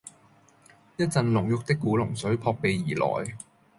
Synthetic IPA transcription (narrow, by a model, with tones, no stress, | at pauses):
jɐ˥t̚t͡sɐ˨˧nlʊ˨˩ŋjʊ˨k̚t̪ɪ˥kːuː˨˥lʊ˨˩ŋsɵ˨˥ɥpʰɔː˧k̚pe˨jːiː˨˩lɔ̰ː˨˩j